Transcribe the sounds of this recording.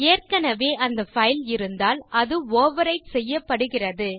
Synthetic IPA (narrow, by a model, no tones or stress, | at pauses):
eːrkɐnɐʋeːʔɐnd̪ɐfɐɪlɪɾɯnd̪aːlɐðɯoːʋɐɾɐɪʈsɛjːɐpːɐɽɯɣɪrɐðɯ